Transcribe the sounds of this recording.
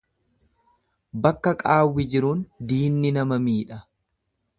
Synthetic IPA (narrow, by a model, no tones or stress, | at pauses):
bɐkːɐkʼaːwːɪd͡ʒɪɾund̪iːnːɪnɐmɐmiːᶑɐ